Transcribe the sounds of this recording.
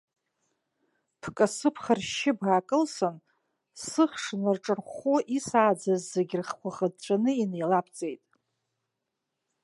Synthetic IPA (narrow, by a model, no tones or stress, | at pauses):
pʰkʼasɨpʰχarʃɪbaːkʼɨlsɨn | sɨχʂnɨrʈ͡ʂʼɨrχoʔisaːd͡zazːeɡʲrχkʷʰaχad̚t͡ʃʷʰʼanɨinejlapʰt͡sʼe̞jtʼ